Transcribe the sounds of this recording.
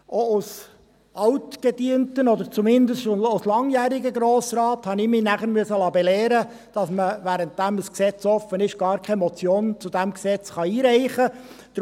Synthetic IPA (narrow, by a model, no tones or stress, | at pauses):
ʔoʊs | ʔɑwtɡ̥ɛdiːəntənɔd̪əɾt͡sumɪnd̪əsoʊslɑŋjæːɾɪɡəɡɾoːsɾɑːthɑnɪmiːnæχəɾmyəsəlɑːbɛlɛːɾə | d̥ɑsməʋæːɾənt̚d̥æməsksɛt͡sɔfənɪʃɡ̥ɑːɾkʰɛmɔt͡sjoːnt͡sud̥̪æmksɛt͡sχɑiːɾæɪχə | d̪̥